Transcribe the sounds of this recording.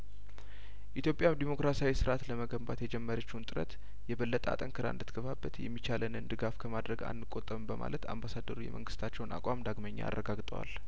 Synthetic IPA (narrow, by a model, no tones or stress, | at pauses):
ʔit̪ʰjo̞pʼjamd̪imo̞kɾasawisɨɾat̪ləməɡəmbat̪jɛd͡ʒɛmːəɾət͡ʃːwunt̪ʼɨɾə̰t̪ | jɛβəlːət̪ʼəa̰t̪ʼəŋkʰɨɾa̰ɨnd̪ɨt̪ʰɡəβabːət̪jɛ̰mːit͡ʃalənɨnd̪ɨɡafkʰəmad̪ɾəɡa̰nːɨkʼot̪ʼːəmbəma̰lət̪ʰa̰mbasad̪əɾujɛ̰mʔəŋɡɨst̪ʰat͡ʃːɛwnʔa̰kʷʼamd̪aɡməɲːa̰a̰rːəɡaɡt̪ʼəwa̰l